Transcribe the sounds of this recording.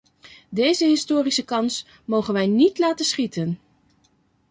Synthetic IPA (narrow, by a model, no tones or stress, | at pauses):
dejzəɦɪstoːrisəkɑns | mowχənʋɛjnitlaːtəsχitən